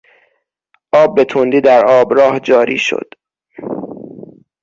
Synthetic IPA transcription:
ʔɒːb̚ːe̞t̪ʰond̪iːd̪æɾɒːbɾɒːhd͡ʒɒːɾḭːʃo̰d̪̥

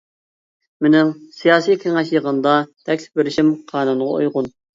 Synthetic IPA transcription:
menɪŋsijɑːsijkʲʰeŋɛʃjəʁənd̪ɑt̪ʰɛkʲlɪ̥p̚beɾɪʃimqʰɑːnunʁɑ̰o̰jʁʊn

